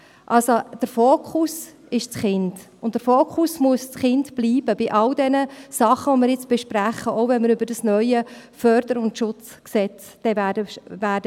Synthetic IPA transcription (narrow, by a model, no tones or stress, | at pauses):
ʔɑlsod̥əɾfoːkχʊs | ɪʃt͡sχɪnd | ʊntd̥əɾfoːkχʊsmuəst͡sχɪndb̥liːb̥əbɪʔɑldɛnəsɑχəʋomɪɾjɪt͡sb̥ɛʃpɾæχəʔowvɛnməɾʏbəɾdɑsnœʏəfœɾd̥əɾʊntʃʊt͡sksɛt͡s | d̥ɛvædəʋæːdə